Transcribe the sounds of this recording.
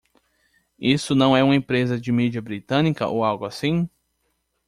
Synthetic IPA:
isʊnɐ̃w̃ɛũmɐẽpɾezɐd͡ʒɪmid͡ʒiɐbɾit̪ɐ̃nikɐ̰ʔowawɡʊasĩ

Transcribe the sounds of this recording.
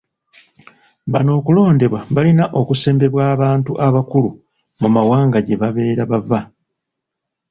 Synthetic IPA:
βano̞ːkulo̞ːnde̞βwaβalinaʔo̞kuse̞ːmbe̞βwaːβaːntuʔaβakulu | mumawaːŋɡaɟe̞βaβe̞ːɾaβava

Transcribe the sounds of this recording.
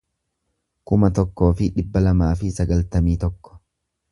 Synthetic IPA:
kʊmɐt̪ɔkːo̞ːfɪᶑɪbːɐlɐmaːfɪsɐɡɐlt̪ɐmiːt̪ɔkːɔ̥

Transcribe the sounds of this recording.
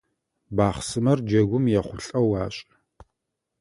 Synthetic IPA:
baːχsɨmɐrd͡ʒɐɡʷʊmjɛχʷʊɬʼɐwaːɕʼ

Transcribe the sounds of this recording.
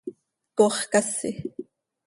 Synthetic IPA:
koːχkasɪ

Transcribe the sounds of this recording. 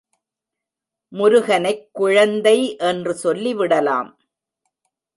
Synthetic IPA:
mʊɾʊɣɐnɐɪkːʊɻɐnd̪ɐɪʔɛndrɯsɔlːiʋɪɽɐla̰ːm

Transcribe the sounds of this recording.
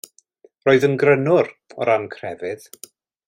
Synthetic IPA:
roːɨðənɡrənʊɾɔ̰ɾankʰr̥ɛvɪð

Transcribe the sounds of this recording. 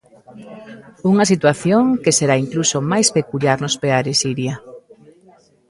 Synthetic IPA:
uŋɐsit̪waθjoŋkeseɾaiŋklusomajspekuʎjaɾnʊspeaɾesiɾja

